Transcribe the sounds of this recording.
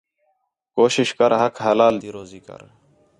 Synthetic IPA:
koːʃɪʃkəɾɦɐkɦɐlaːl̰ːɾ

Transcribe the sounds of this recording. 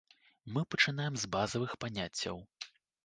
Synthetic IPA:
mɨpɐt͡ʂɨn̪ajɛmzbazɐvɨxpanʲat͡sʲːɐ̰w

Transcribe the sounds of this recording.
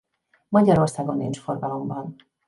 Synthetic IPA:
mɒɟɒɾo̞rsaːɡo̞nːḭnt͡ʃfo̞rɡɒlo̞mbɒn

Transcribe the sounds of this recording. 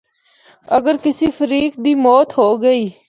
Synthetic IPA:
əɡəɾkɪsiːfʰəɾiːk̚d̪iːmɔːt̪ɦoːɡəiː

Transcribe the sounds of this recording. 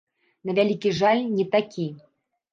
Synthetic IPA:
nɐvʲalʲikʲiʐalʲnʲɛt̪akʲi

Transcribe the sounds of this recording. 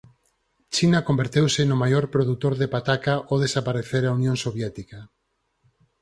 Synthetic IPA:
t͡ʃinakombeɾt̪ewsɪnʊmajoɾpɾoðut̪oɾðepat̪akaʔoðesapaɾeθeɾaunjõŋsoβjɛt̪ika

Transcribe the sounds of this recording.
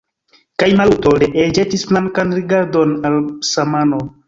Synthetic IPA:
kajmalutoɾeʔed͡ʒetisflaŋkanɾiɡaɾdo̞nalsamano

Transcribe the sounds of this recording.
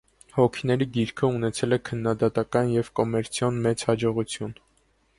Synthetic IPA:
hɔkʰinɛɾiɡiɾkʰəunɛt͡sʰɛlɛkʰənːɑd̪ɑt̪ɑkɑnjɛvkɔmɛɾt͡sʰjɔnmɛt͡shɑd͡ʒɔʁut͡sʰjun

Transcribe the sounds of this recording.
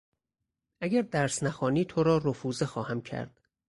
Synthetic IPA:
ʔæɡæɾd̪æɾsnæxɒːniːt̪ʰoɾɒːɾofuːzexɒːhæmcʰæ̰ɾd̪̥

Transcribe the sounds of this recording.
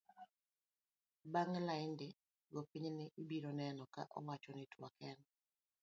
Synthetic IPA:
baŋlaɪndɪ | ɡopiɲnɪʔibiɾɔnɛnɔka̰ʔɔ̰wat͡ʃɔnɪtwakɛn

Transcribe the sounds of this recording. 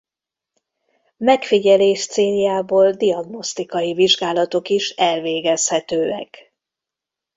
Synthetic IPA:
mɛkfiɟɛleːʃt̪seːljaːboːld̪iɒɡno̞st̪ikɒjiviʒɡaːlɒt̪o̞kiʃɛlveːɡɛshɛt̪øːɛ̰k

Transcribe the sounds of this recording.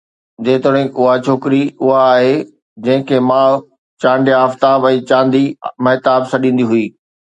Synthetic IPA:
d͡ʑeːt̪oɽ̤̃ẽʊɦat͡ɕʰoːkɪɾiʊɦaːɦe | d͡ʑɐ̃ɦɪ̃kʰeːmãːɭ | t͡ɕãːɳɖjaːft̪aːbɛ̃ːt͡ɕãːnd̪imɐɦɪt̪aːbsɐɗĩːn̆d̪iɦʊiː

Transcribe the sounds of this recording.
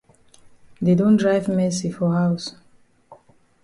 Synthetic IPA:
dedɔ̃ndɹajvmɛsifɔhaws

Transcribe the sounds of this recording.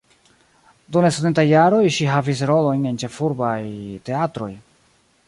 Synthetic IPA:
duŋlasodetajːaɾo̞jʃiɦavis̬ɾo̞lo̞jne̞nt͡ʃe̞fuɾbajte̞atɾo̞̰j

